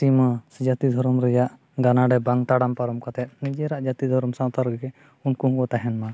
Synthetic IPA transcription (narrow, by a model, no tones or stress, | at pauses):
simasd͡ʒat̪id̪ʱɔɾɔmɾɛjaʔ | ɡanaɖɛbaŋt̪aɽampaɾɔmkat̪ɛt̪̚nid͡ʒɛɾaʔd͡ʒat̪id̪ʱɔɾɔmsãt̪aɾɡɛ | unkuɦkɔt̪aɦɛnma